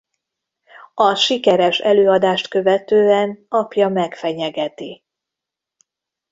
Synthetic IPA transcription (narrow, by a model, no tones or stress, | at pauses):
ɒʃikɛɾɛʃɛ̰løːɒd̪aːʃt̪køvɛt̪øːɛnɒpjɒmɛkfɛɲɛɡɛt̪i